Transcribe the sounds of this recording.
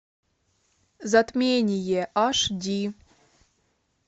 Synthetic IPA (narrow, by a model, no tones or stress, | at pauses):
zat̪mʲenʲijeʔaʂdʲi